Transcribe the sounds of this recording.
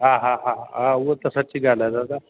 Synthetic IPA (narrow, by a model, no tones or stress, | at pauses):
ɦãɦãɦãɦãʋət̪əsat͡ɕiːɡʱalad͡z̪ad̪a